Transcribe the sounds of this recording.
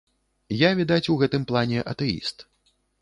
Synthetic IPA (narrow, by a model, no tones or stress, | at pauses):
javʲid̪at͡sʲuwɣɛt̪ɨmplˠanʲɛʔɐ̰t̪ɛḭst̪